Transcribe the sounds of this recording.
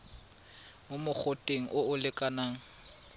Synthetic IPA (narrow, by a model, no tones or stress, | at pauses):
mʊmʊk͡xʰʊtʼeŋ̩ʔʊʊlɪkʼanaːŋ̩